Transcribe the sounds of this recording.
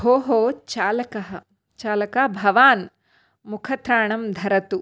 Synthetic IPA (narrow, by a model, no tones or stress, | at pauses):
ɦoːɦoːt͡ʃaːlɐkɐɦɐ̆ | t͡ʃaːlɐkabʱɐʋaːn | mukʰɐt̪ɾaːɳɐmd̪ʱɐɾɐt̪u